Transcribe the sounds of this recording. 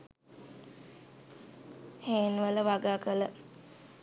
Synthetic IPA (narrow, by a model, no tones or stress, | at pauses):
heːnʋələʋaɡaːkələ